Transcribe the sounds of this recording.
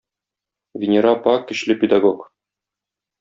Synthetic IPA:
vʲɪnʲeɾɑpɑkːɘ̆ɕlɘpʲɪd̪aɡok

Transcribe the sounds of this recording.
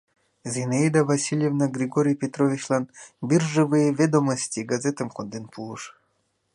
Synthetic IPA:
zʲenaid̪avasʲilʲjevnaɡrʲiɡoɾʲijpʲet̪rovʲit͡ɕlˠɑnbʲirʒɘvɨjevʲed̪omosʲtʲiɡazʲet̪əmkond̪enpʰulˠɤʃ

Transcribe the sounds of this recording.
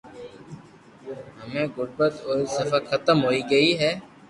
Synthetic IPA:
ɦɐmẽɡʊɽbət̪oːsɐfaxʰɐt̪əmɦoːiɡɐiɦɛː

